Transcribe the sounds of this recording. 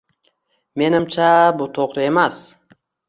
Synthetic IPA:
me̞nɪmt͡ʃʰabʊt̪ʰoqɾɪe̞mas

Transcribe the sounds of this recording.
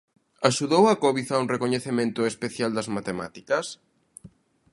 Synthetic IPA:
aʃuðowɐkɔβiθɐuŋrekoɲeθemẽnt̪ʊespeθjald̪ɐzmat̪ema̰t̪i̥kɐs

